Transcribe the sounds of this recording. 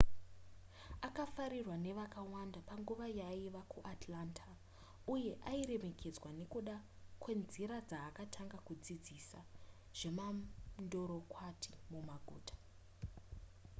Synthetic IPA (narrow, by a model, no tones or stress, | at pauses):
akafaɾirwane̞ʋakawandapaŋɡuʋajaiʋakʰuʔatʰlantʰa | uje̞ʔaire̞me̞kʰe̞d͡zwane̞kuɗa | kwe̞nziɾad͡zaːkatʰaŋɡakud͡zid͡zisa | ʐ̥e̞mando̞ɾo̞kwatʰi̥mumaɡʱṵːtʰḁ